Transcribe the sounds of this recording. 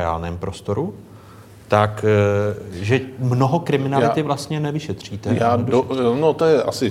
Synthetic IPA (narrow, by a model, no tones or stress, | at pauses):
a̰ːlnɛːmpɾo̞st̪o̞ɾu | t̪ak | ʒɛmno̞ɦokɾɪmɪnalɪt̪ɪvlast̪ɲɛnɛvɪʃɛt̪r̝̥iːt̪ɛjaːdnot̪ojɛʔasɪ